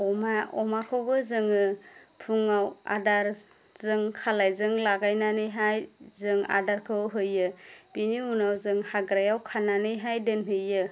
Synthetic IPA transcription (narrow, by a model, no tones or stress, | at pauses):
ɔmaɔmakʰɯwbɯzɯŋɯpʰuŋawa̰daɾ | zɯŋkʰalajzɯŋlaɡajnanɯjɦajzɯŋa̰daɾkʰɯwɦɯjːɯb̥iniunawzɯŋhaɡɾajawkʰananɯjɦajdɯnɦɯjːɯ